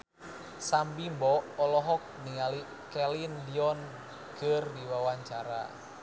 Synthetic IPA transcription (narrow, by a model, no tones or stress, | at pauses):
sambimbɔɔlɔɦɔk̚niali | kɛlindiɔn | kɨrdiwawaɲt͡ʃaɾa̰